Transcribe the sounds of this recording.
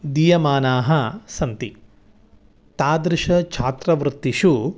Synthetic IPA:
d̪ijɐmaːnaːɦɐsɐnt̪i | t̪aːd̪ɾɪʃɐt͡ʃʰaːt̪ɾɐʋɾut̪ːiʃu

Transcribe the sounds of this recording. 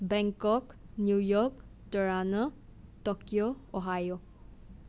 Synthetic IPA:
bɛŋkɔknjujɔk̚tɔɾanatɔkjoɔɦajo

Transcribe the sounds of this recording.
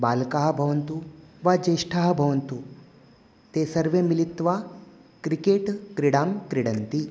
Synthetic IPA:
baːlkaːɦɐbʱɐʋɐnt̪uʋad͡ʒeːʂʈʰaɦɐbʱɐʋɐnt̪u | t̪esɐɾʋemilit̪ːʋakɾikeːʈkɾiɽaːmkɾiɽɐnt̪i

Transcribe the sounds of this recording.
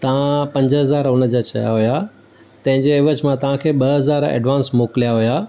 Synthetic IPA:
t̪ɐʋ̤ãpɐ̃ɲd͡ʑɦɐzaːɾʊnəd͡ʑaːt͡ɕɐ̰ja̰ɦuja | t̪ɐ̃ɦɪ̃ɲd͡ʑeɪʋəd͡ʑmãt̪ɐʋ̤ãkʰeːɓɐɦɐzaːɾɛ̰ːɖʋãːnsmoːklijaɦʊja

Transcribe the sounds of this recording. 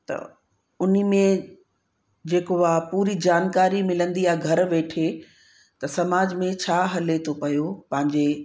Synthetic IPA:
t̪ɐ̰ | ʊnəmẽ | d͡ʑeːkoaːpuːɾid͡ʑaːnkaːɾimɪlə̃nd̪ijaɡʱɐɾʋeːʈʰe | t̪ɐsɐmaːd͡ʑmẽt͡ɕʰaːɦɐlet̪ʰopɐjopɐ̃ɦɪ̃ɲd͡ʑeː

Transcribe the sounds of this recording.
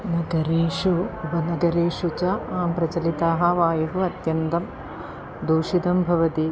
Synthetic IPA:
nɐɡɐɾiːʃuubɐnɐɡɐɾiːʂut͡ʃɐpɾɐt͡ʃɐlit̪aːɦɐʋaːjɐɦuɐt̪jɐnt̪ɐm | d̪oːʃid̪ɐmbʱɐʋɐt̪i

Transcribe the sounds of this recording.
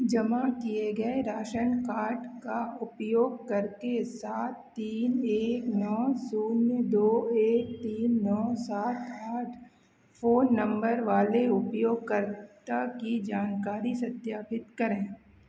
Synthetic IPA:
d͡ʒɐmakieɡɐeɾaːʃənkaːɾʈkaʊpjoːɡ̚kɐɾkesaːt̪ːiːneːknɔːsuːnjəd̪oːeːk̚t̪iːnːɔːsaːt̪ʰaːʈʰ | fʰoːnːɐ̃mbəɾʋaːleʊpjoːɡ̚kəɾt̪akid͡ʒaːnkaːɾisɐt̪jaːpɪt̪kɐɾẽː

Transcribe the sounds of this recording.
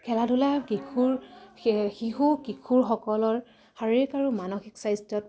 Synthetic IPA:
kʰɛladʱulakikʰuɹ | xiɦukikʰuɹxɔkɔlɔɹ | xaɹikaɹumanɔxiksajstɔt̚

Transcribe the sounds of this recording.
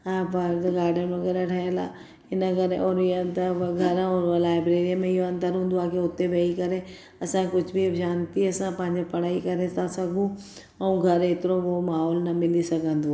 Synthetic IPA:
abaːɾd̪ɡaːɾɖənmẽɡɐɾaʈʰɐjəlaː | ɪnəɡɐɾeʔɔːɾɪənt̪ɐɡʱɐɾə̃ɔːɾlaːɪbɾeːɾijəmẽɪɦoɐ̃nd̪əɾɦũːnd̪oaːkʰeʊt̪eʋeikɐɾe | ɐsãkʊd͡ʑʱbʱid͡ʒaːnt̪iɐsãpɐ̃ɦɪ̃ɲd͡ʑepɐɽ̤̃aːikɐɾesãsɐɡʱũ | ɛũɡʱɐɾet̪ɪɾoʋomaːɦɔːlnɐmɪlisɐɡʱə̃nd̪o

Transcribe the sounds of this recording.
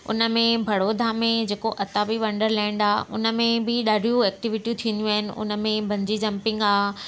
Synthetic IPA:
ʊ̰nə̆mẽbʱɐɽoːd̪ʱamẽd͡ʑeːkoʔɐt̪abiʋɐ̃ɳɖəɾlɛ̃ːɳɖaːɦɪʔʊnə̆mẽbɪɗaːɖʱijũɛːk̚ʈɪʋɪʈijũt̪ʰiə̃nd̪jũaːɦɪnɪ̆ʔʊ̰nə̆mẽbʱɐ̃ɲd͡ʑid͡ʑɐ̃mpɪ̃ŋɡaː

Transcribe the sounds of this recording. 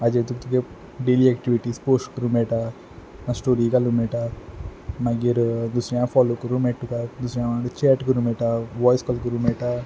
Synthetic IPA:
ɐd͡ʒet̪ukt̪uɡe | ɖeliekʈiʋiʈispoːsʈkɾumeːʈa | nɐsʈoːɾikalumeʈa | mɐɡiɾnd̪usɾãmfɔːlukuɾumeʈːukand̪usɾãmat͡ʃeːʈkuɾumeːʈaʋɔːjskɔlkuɾumeːʈa

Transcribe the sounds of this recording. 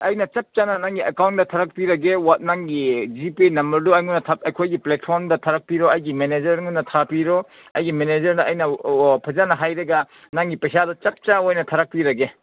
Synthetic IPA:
ɐjnɐt͡ʃɐp̚t͡ʃanɐnaŋɡiɐkawndɐtʰɐɾɐk̚piɾɐɡewanaŋɡid͡ʒipinɐmbɐɾduɐjŋunɐtʰaɐjkʰojɡiplet̚pʰoɾmdɐtʰɐɾɐk̚piɾoɐjɡimened͡ʒɐɾŋunːɐtʰapiɾo | ɐjɡimened͡ʒɐɾdɐɐjnɐpʰɐzanɐɦajɾɐɡa | naŋɡipɐjsadɐt͡ʃɐp̚t͡ʃaojnɐtʰɐɾɐk̚piɾɐɡe

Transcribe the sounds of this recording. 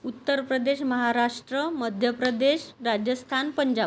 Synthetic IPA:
ut̪ːəɾpɾəd̪eɕməɦaɾaʂʈɾəməd̪ʱjəpɾəd̪eɕɾad͡ʑjəst̪ʰanpəɲd͡ʑa

